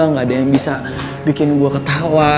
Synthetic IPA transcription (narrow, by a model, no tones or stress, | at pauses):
aŋadajaŋbisa | bikɪnɡuakət̪awa